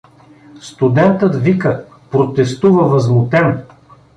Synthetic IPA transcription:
st̪ud̪ɛnt̪ət̪vikə | pɾot̪ɛst̪uvəvɐzmʊt̪ɛn

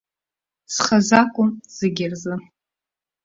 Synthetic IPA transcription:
sχazakʷʼʊmz̥ɨɡʲɪrzɨ

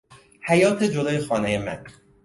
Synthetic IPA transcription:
hæjɒːt̪ʰed͡ʒod̪ɒːjexɒːnejemæ̰n

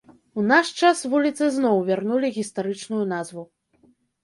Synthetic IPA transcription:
unaʂt͡ʂasvulʲit̪sɨznɔwvʲarnulʲiɣʲist̪aɾɨt͡ʂnujunazvu

